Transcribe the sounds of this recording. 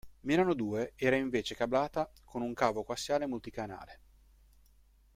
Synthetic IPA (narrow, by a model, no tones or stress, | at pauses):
milanod̪uːeɛːɾaiɱveːt͡ʃekablaːt̪akʰonuŋkaːvokoasːjaːlemult̪ikana̰ːle